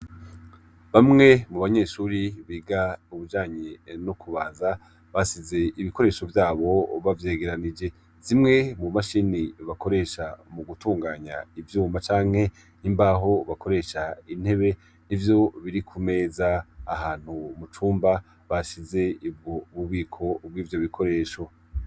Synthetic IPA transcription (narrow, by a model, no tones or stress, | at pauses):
βamŋe̞muβaɲe̞ːʃuɾiβiːɡauβud͡ʒaːɲenukʰuβaːnza | βaʃize̞ʔiβikʰo̞ɾe̞ʃo̞vjaːβo̞βavje̞ːɡe̞ɾanid͡ʒe̞ | z̥imŋe̞mumaʃiniβako̞ɾe̞ʃamuɡutuːŋɡaːɲa̰ivjuːmat͡ʃaːŋ̥he̞ | nimbaɦo̞βako̞ɾe̞ʃain̥he̞βe̞ | nivjo̞βiɾikʰume̞ːzaːɦaːn̥humut͡ʃuːmba | βaʃize̞ibɡoβuβiːkʰo̞bwiːvjo̞βikʰo̞ɾe̞ːʃo̞